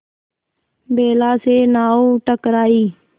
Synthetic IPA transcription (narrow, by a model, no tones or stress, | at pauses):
beːlaːseːnaːoːʈəkɾaːiː